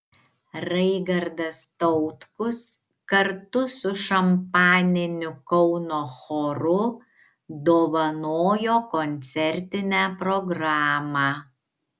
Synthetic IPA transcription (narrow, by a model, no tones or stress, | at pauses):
ɾɐɪɡɐɾd̪ɐst̪ɔʊt̪kʊs | kɐɾt̪ʊsʊʃɐmpɑːnʲɪnʲʊkɔʊnoːxoɾʊ | d̪oːʋɐnoːjoːkɔnʲt̪sʲɛɾʲt̪ʲɪnʲæːpɾɔɡɾɑːmɑː